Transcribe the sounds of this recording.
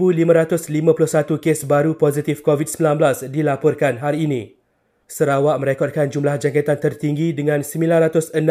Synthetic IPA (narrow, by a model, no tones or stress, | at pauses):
bulimãɾat̪ʊslimãpulʊhsat̪ukesbaɾupozit̪ɪfkovid̚səmbilanblasdilapɔrkanɦaɾiːnĩ | səɾawaʔmə̃ɾekɔt̪̚kand͡ʒumlahd͡ʒaŋkat̪ant̪ərt̪iŋɡidəŋãnsəmĩlanrat̪ʊsən